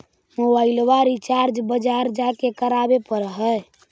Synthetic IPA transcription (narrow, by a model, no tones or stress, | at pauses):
mobailwaɾit͡ʃaɾd͡ʒbəd͡ʒaɾd͡ʒakekəɾabepəɾɦə